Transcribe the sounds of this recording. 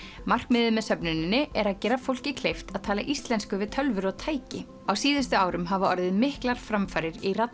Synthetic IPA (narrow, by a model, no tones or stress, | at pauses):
mar̥kmɪðɪmɛðsœpnʏnɪnːɪɛɾaðcɛːɾafowl̥cɪkʰlejft̪aðt̪ʰaːla̰ʔist̪lɛnskʏvɪðt̪ʰœlvʏɾɔɣt̪ʰaːjcɪ | awsiːðɪst̪ʏaːwɾʏmɦavaɔɾðɪðmɪhklaɾ̥fɾamfajɾɪɾirat̪